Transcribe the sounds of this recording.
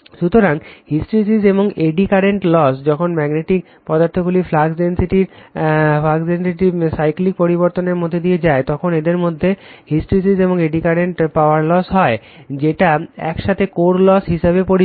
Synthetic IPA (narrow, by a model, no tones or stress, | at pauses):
ʃut̪oɾaŋhisʈɾisizeboŋeɖikaɾeɳʈlɔsd͡ʑɔkʰonmɛɡneʈik̚ | pɔd̪aɾt̪ʰoɡuliflaɡsensiʈiɾfaɡzensiʈisajklik̚poɾiboɾt̪oneɾmod̪ʱːed̪ijed͡ʑaet̪ɔkʰoned̪eɾmod̪ʱːehisʈɾisizeboŋeɖikaɾeɳʈpaoaɾlɔsɦɔe | d͡ʑeʈaɛ̰kʃat̪ʰekoɾlɔsɦiʃaβepoɾi